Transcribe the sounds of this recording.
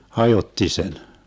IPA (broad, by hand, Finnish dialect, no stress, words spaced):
hɑjotːi sen